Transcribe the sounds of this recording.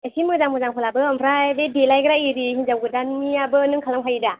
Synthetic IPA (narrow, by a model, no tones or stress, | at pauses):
esinmɯzaŋmɯzaŋpʰɯlabɯampʰɾabedelajɡɾaiɾihinzawɡɯdanmiabɯnɯŋkʰalaŋpʰajida